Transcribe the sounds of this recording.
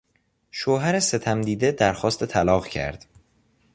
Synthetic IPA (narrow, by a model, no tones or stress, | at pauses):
ʃoːɦæɾese̞t̪ʰæmd̪iːd̪e̞d̪æɾxɒːst̪et̪ʰælɒːɣcʰæ̰ɾd̪̥